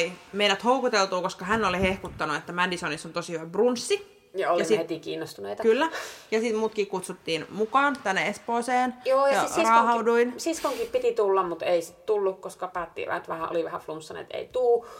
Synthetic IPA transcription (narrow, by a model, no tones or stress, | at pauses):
imeinæt̪houkut̪elt̪uːkoskɑhænːolihehkut̪ːɑnuet̪ːæmændisonisont̪osihyʋæbrunsːi | jɑoljɑisihet̪ikḭːnːost̪uneit̪ɑkylːæjɑsit̪muːt̪kikkut̪sut̪ːiːnmukɑːnt̪ænːeespoːseːnjoːjɑɑrɑːhɑuduinsiskoŋkippit̪it̪ulːɑmmut̪eisit̪t̪ulːukkoskɑpæːt̪ːḭʋæ̰t̪ʋæhæʔo̰liʋæhæflumsːɑn̰t̪ḛit̪uː